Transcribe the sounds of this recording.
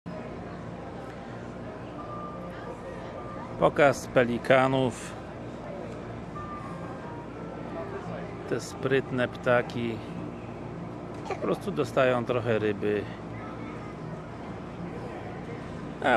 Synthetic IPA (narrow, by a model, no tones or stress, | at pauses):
pɔkaspɛlʲikʰanuf | t̪ɛspɾɘt̪nɛpt̪akʲi | pɔpɾɔst̪ud̪ɔst̪ajɔ̃w̃t̪ɾɔxɛɾɘbɘ | a